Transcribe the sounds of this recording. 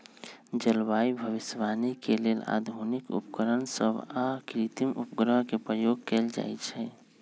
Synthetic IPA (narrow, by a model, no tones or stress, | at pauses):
d͡ʒəlwaibʱəʋisʋanikelela̰d̪ʱunikṵpkəɾənsəbakɾit̪imʔṵpɡɾəɦkepɾəjoɡ̚kɛld͡ʒa̰jt͡ʃʰɛ